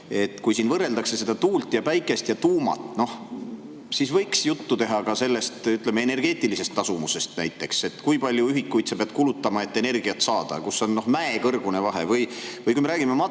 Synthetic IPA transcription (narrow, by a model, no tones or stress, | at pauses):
e̞t̪ːˑkujsiːnvɤrːe̞ld̪ɑkse̞se̞d̪̥ɑt̪uːlt̪jɑpæjkːˑe̞st̪jɑt̪uːmɑ̰t̪ːˑno̞h | sisvɤjksjut̪ːut̪e̞ɦɑkɑse̞lːe̞st̪yt̪ˑle̞meene̞rɡ̥e̞ːt̪ːˑilise̞st̪ːɑsumuse̞st̪næ̰jt̪ːˑe̞kse̞t̪ːkujpɑlʲjuyɦikːujt̪sepeɑb̥̪̚kulut̪ːɑmɑe̞t̪ːe̞ne̞rɡ̥iɑt̪sɑːd̪̥ɑ̰kuso̞nno̞hmæekɤrɡ̥une̞vɑɦe̞̰vɤjvɤjkujmeɾæːɡ̥imemɑ